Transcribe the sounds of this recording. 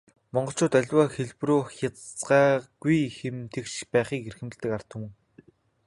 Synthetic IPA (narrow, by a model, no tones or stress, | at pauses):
mɔɴɢɞ̆ɬt͡ɕʰʊːt̪œɮʲwaːxeɮpruːxjat͡sɢaːɡ̥ujxɘ̆mt̪ʰekt͡ɕpæːχiːkerxɘ̆m̆ɮt̪ɘ̆kar̥t̪ə̆w̆